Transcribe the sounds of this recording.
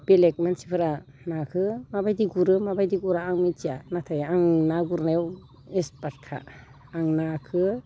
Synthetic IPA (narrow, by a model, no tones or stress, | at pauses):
b̥elek̚mansi̥pʰɯɾa | nakʰɯmabajdiɡuɾɯmabajdiɡuɾaːŋmit͡ʃianatʰajaŋnaɡuɾnew | espat̚kʰa̰ː | ŋnakʰɯ